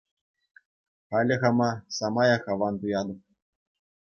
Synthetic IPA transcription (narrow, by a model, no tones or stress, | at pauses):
χɑlʲɘ̆ɣɑmɑsɑmɑjɑχɑʋɑnt̪ujɑd̪ɤ̆p̚